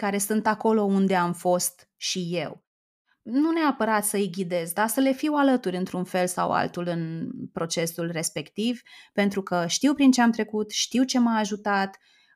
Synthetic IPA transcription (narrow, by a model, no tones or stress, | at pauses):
kaɾe̞sɨnt̪ako̞lo̞und̪e̞amfo̞st̪ | ʃije̞w | nuneapəɾat̪səiɡʲid̪e̞zd̪asəle̞fiwalət̪uɾʲɨnt̪ɾunfe̞lsa̰wa̰lt̪ulɨnpɾo̞t͡ʃe̞sulre̞spe̞kt̪ivpe̞nt̪ɾukəʃt̪iwpɾint͡ʃe̞amt̪ɾe̞kut̪ʃt̪iwt͡ʃe̞maːʒut̪at̪